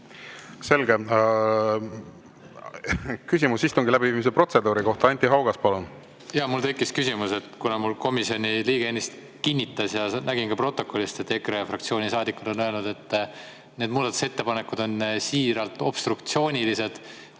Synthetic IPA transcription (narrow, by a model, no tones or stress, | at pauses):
se̞lɡe | kysʲimusːist̪oŋɡilæbiviːmis̬epro̞t̪se̞d̪uːɾiko̞ht̪ɑɑnʲt̪ːˑiɦɑwɡ̥ɑspɑlun | jɑmult̪e̞kːˑiskysʲimuse̞t̪kunɑmulko̞misio̞nʲiliːɡ̥eenːist̪ | kinʲːit̪ːˑɑsjɑnæɡinkɑpro̞t̪ːˑo̞kːˑo̞lʲist̪et̪ːe̞krejɑfrɑkt̪sio̞ːnʲisɑːd̪ikːud̪̥o̞nøelnud̪̥e̞t̪ː | ne̞d̪muːd̪ɑt̪ːˑu̥se̞t̪ːe̞pɑne̞kːˑud̪o̞nsiːɾɑlt̪ˑo̞b̥st̪ɾukt̪sio̞ːnʲilise̞d̪̥